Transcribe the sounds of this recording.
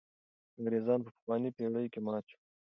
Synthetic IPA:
aŋɾezɑːnpəpə̥xwɑːnipeɽəjkemɑt͡ʃu̥

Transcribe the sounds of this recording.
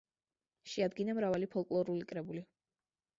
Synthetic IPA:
ʃɛad̪ɡinamɾavalipʰɔlˠkʼlˠɔɾulikʼɾɛbuli

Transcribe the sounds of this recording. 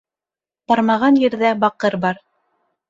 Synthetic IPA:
t̪ɑɾmɑʁɑnjɘ̆ɾðæbɑqɤɾbɑɾ

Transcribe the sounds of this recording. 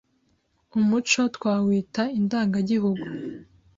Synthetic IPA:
umut͡ʃo̞twaːwiːtaindaːŋɡaɟihuɡu

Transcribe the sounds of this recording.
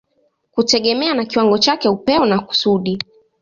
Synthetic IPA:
kutɛɠɛmɛanakiwaŋɡɔt͡ʃakɛupɛɔnaku̥suɗi

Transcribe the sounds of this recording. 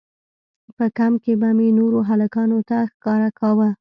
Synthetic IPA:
pəkamkebamenoɾoɦalakɑnot̪axkɑɾakʰɑwə

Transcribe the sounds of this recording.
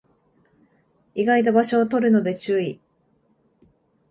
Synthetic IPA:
iɡait̪̬abaɕo̞ːt̪o̞ɾɯ̟no̞d̪e̞t͡ɕɨːi

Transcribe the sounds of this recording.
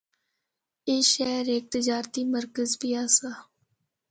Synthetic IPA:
eːʃɛːɾeːk̚t̪ɪd͡ʒaːɾt̪iːməɾkəzbiːaːsaː

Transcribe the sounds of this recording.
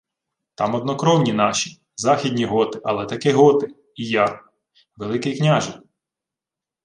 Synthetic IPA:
t̪ɑmɔd̪nɔkɾɔwnʲinɑʃʲi̥ | zɑxʲidʲnʲiɦɔt̪ɪʔɐlˠɛt̪ɐkɪɦɔt̪ɪ | ija | ʋelˠɪkɪjknʲaʒɪ

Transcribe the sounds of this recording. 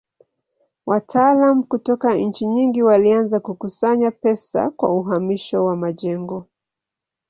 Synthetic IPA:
watʰaːlamukutɔkaɲ̩t͡ʃiɲiŋɡiwalianzakukusaɲapɛsa̰kwa̰uɦamiʃɔwamaʄɛŋɡɔ

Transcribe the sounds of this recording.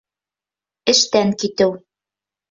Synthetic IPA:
ɘ̆ʃt̪æŋkit̪ɘw

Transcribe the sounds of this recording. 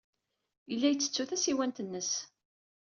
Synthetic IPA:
ilːæjət͡sːə̥t͡sːuθæsiwænt̪ənːəs

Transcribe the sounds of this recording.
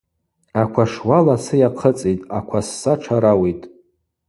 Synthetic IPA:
akʷʰaʂwalasɨjaqʰət͡sʼijtʼakʷʰasːaʈ͡ʂʰaɾawejtʼ

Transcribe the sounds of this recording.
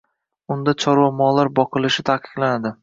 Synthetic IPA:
ʊnd̪at͡ʃʰɒɾwamɒlaɾbɒqɨlɪʃɪt̪ʰaqʰɨ̥qlˠanad̪ɪ

